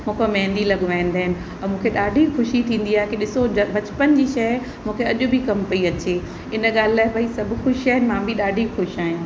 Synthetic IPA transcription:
mũːkomɛ̃ɦnd̪ilɐɠʋaːĩnd̪aːɦɪnɪ̆ | ɛ̃mũːkʰeɗaːɖʱixʊʃit̪ʰĩːn̆d̪iaːɦekiɗɪsobɐt͡ɕpənd͡ʑiːʃɐ | mũːkʰeɐʄʊbʱikɐmpɐiɐt͡ɕeː | ɪnə̆ɠaːlɪlaːɦɪbʱaisɐbʱʊxʊʃiaːɦɪnɪmãbʱiɗaːɖʱixʊʃiaːɦijãː

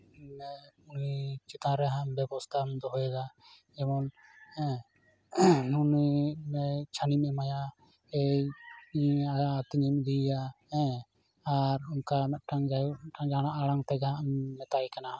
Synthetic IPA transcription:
mɛunit͡ʃit̪ãɾɛɦãʔmbɛbɔst̪ʰamd̪ɔɦɔjɛd̪a | ɛmɔnɛ | nunimɛt͡ʃʰanimɛmaja | ɛ | iaːt̪iɲimd̪ija | ɛ | aɾunkamɛʈaŋd͡ʒaaŋd͡ʒaɽ̃aʔaɽaŋt̪ɛɡaʔmːɛt̪ajkana

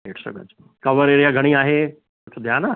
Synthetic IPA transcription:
eːʈsə̰ɡə̰d͡ʑ | kɐʋəɾeːɾijaɡʱɐɽ̃iaːɦe | t̪ʰod̪ʱjaːna

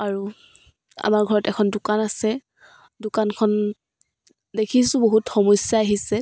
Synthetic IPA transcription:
aɹu | a̰maɹɡʱɔɹɔtɛkʰɔndʊkanasɛ | dʊkankʰɔn | dekʰisʊ̃boɦutxɔmɔsjaːɦisɛ

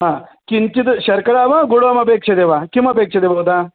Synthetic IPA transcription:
ɦãːkint͡ʃid̪ɕɐɾkɐɽaːʋaɡuɽoɐmɐpeːkʂɐd̪eːʋaːkimɐpeːkʂɐd̪eːbɐd̪aː

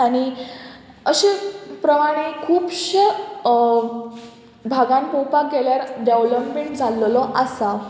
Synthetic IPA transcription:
aɽ̃i | əɕepɾəmaɽ̃ekʰuːpɕə | bʱaɡãnpowpak̚ɡeljaɾɖeʋləpmeɳʈd͡zʱallɔʔasa

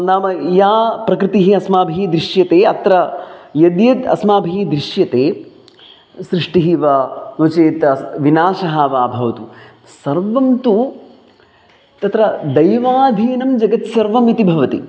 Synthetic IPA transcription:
naːmɐjaːpɾɐkɾɪt̪iɦiɐsmaːbʱid̪ɾiʂjɐt̪eːɐt̪ɾɐjɐd̪jɐt̪ɐ̰smaːbʱijd̪ɾiʂjɐt̪eː | sɾɪʂʈiɦiʋɐnoːt͡ʃeːt̪ɐʋinaːʃɐɦɐʋaːbʱɐʋɐt̪u | sɐɾʋɐmt̪u | t̪ɐt̪ɾɐd̪ɐjʋaːd̪ʱiːnɐmd͡ʒɐɡɐt̪sɐɾʋɐmit̪ibʱɐʋɐt̪ḭ

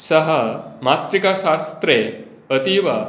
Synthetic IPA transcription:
səɦəmat̪ɾikaɕast̪ɾe | ət̪iʋa

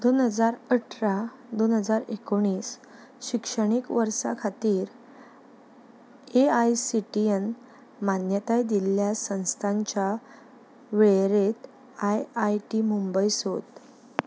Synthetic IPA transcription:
d̪onɦəd͡zaɾəʈʰɾa | d̪onɦəd͡zaɾekoɽ̃iːs | ɕikʂəɽ̃ikʋəɾsa̰kʰat̪iːɾ | eajsiʈien | manjət̪ajd̪iljasə̃w̃st̪ʰaɲt͡ɕja | ʋeɭɾet̪ | ajajʈimumbəjsot̪

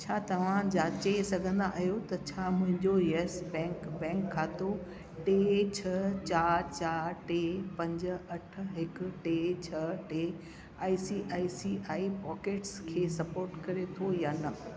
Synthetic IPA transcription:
t͡ɕʰaːt̪ɐʋ̤ãd͡ʑaːt͡ɕesɐɡʱə̃nd̪aʔaɦijot̪ɐt͡ɕʰaːmʊ̃ɦɪ̃ɲd͡ʑojesbɛ̃ːkbɛ̃ːŋkʰːaːt̪o | ʈet͡ɕʰɐt͡ɕaːɾt͡ɕaːɾʈeːpɐ̃ɲd͡ʑ̆ɐʈ̆ʰɦɪkʊ̆ʈeːt͡ɕʰɐʈe | aːisiːʔaːisiʔaːipɔːkeːʈskʰeːsɐpoːɾʈkɐɾet̪ʰojaːnɐ

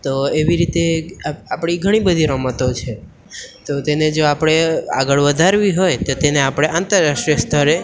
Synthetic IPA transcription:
t̪oeʋiɾit̪eapɽ̃iɡʱəɽ̃ibəd̪ʱiɾəmət̪ot͡ʃʰe | t̪ot̪ened͡ʒoapɽ̃ea̰ɡəɭʋəd̪ʱaɾʋiɦojt̪ot̪eneapɽ̃eʔãnt̪əɾːaʃʈɾijəst̪ʰəɾe

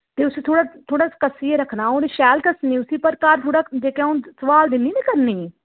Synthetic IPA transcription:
t̪eːʊst̪ʰoːɽaːt̪ʰoːɽaːskəsieːɾəkʰnãːoːɾeʃɛːlkəsnĩːʊsiːpəɾkaːɾt̪ʰoːɽaːd͡ʒeːkeãːʊ̃nsəʋaːld̪ɪniːnẽːkəɾniː

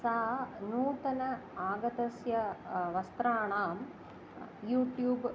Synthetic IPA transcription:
saːnuːt̪ɐnɐaːɡɐt̪ɐsjɐʋɐst̪ɾaːɳaːm | juːʈjuːb

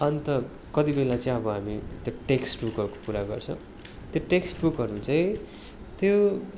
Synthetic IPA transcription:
ʌnt̪ʌ | kʌt̪ibelat͡sʌĩʌbʌɦamit̪joʈeksʈbukʌko̥kuɾaɡʌ̰rt͡sʰʌ̃w̃ | t̪joʈeksʈbukɦʌɾut͡saĩ | t̪jo

